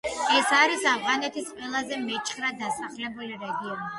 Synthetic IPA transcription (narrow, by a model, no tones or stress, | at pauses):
ɛsaɾisavʁanɛt̪ʰisqʼwɛlˠazɛmɛt͡ʃʼχɾad̪asaχlɛbuliɾɛɡiɔni